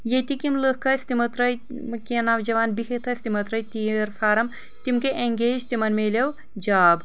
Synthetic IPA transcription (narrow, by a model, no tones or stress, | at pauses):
jet̪ikimləhkɐsʲt̪imɐt̪ɾɐj | mkiɐnaːʋd͡ʒɐʋaːnbihet̪ʰɐsʲt̪imɐt̪ɾɐjt̪iɾfaːɾɐm | t̪imkeʔeŋɡeːd͡ʒt̪imɐnmeːlew | d͡ʒaːb